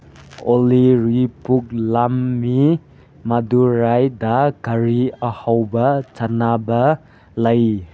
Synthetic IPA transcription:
oliɾipuk̚lamːi | maduɾajdaɡaɾiɐhawbɐt͡ʃanabɐ | lɐj

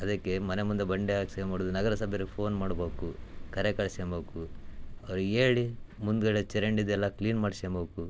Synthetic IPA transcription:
ɐd̪ɐkːe̞mɐnemund̪ɐbɐɳɖɛaːkseːmaːɽud̪unɐɡɐɾɐsɐbʱjɐɾɡepʰo̞ːnmaːɽboːkukɐɾekɐɭseːmbɐːkuɐʋɐɾueːɭimund̪ɡɐɭet͡ʃɛɾeɳɖid̪ɛlːɐkliːnmaːɖsembɐːku

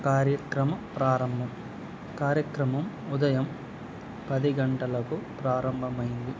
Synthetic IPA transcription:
kaːɾjɐkɾɐmɐpɾaːɾɐmbʱɐm | kaːɾjɐkɾɐmɐm | ud̪ɐjɐm | pɐd̪iɡɐɳʈɐlɐkupɾaːɾɐmbʱɐmɐjind̪i

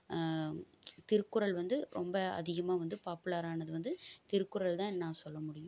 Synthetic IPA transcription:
t̪ɪɾkːʊɾɐɭʋɐnd̪ɯɾɔmbɐɐ̰ðɪɣɐmaːʋɐnd̪ɯpaːpɯlaːɾaːnɐðɯʋɐnd̪ɯt̪ɪɾɯkːʊɾɐɭt̪ãːnːãːsɔlːɐmʊɽɪjʊ̃

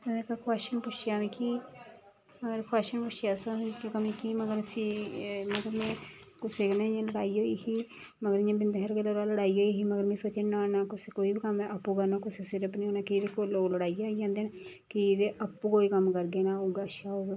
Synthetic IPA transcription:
ekakʰaːʃənpʊʃjaːmĩːkiː | məɡəɾkʰʊaːʃənpʊʃjaːsakakəmĩːkiːməɡəɾsiːməɡəɾmɛ̃ːkʊseːknaːjãləɽaːiːoːiːɦiː | məɡəɾɪjãːbɪnd̪ɦəɾkeloːɾaːləɽaːiːoːiːɦiːməɡəɾmɛ̃ːsoːt͡ʃenaːnaːkʊseːkoːiːbikəmɛ̃ʔapːuːkəɾnaːkʊseːsɪɾəpniːoːnaːkid̪eːkoloːləɽaːiːaːid͡ʒãːnd̪eːn | kid̪eʔəpːuːkoːiːkəmkəɾɡeːnaːoːɡaːʃaːoːɡ

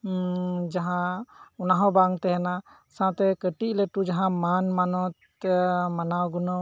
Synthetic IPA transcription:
d͡ʒaɦãunaɦɔ̃baŋt̪ɛɦɛna | sãt̪ɛkəʈiʔ̚lɛʈud͡ʒaɦãmanmanɔt̪̚ | manawɡɔnɔ

